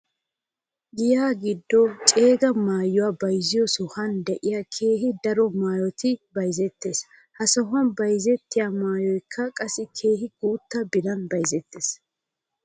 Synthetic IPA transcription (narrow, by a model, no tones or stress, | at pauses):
ɡɪjaːɡɪd̪ːɔt͡ʃʼe̞ːɡɐmaːjːʊwaːbɐjzɪjɔsʊhɐnd̪ɛʔɪjakʰe̞ːɦɪd̪ɐɾɔmaːjɔt̪ɪbɐjzɛt̪ːe̞ːs | hɐsɐɦʊɐnbɐjzɛt̪ːɪjamaːjɔjkʰːɐkʼɐsɪkʰe̞ːhɪɡ̥uːt̪ːɐbɪd̪ɐnbɐjzɛt̪ːeːs